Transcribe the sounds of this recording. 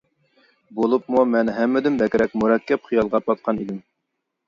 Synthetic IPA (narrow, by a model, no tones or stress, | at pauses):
bolˠupmumɛnɦɛmːɪd̪ɪmbɛkʲɾɛk̚ʲmuɾɛkʲːɛp̚χijɑlˠʁɑpɑt̪̚qʰɑnid̪ɪm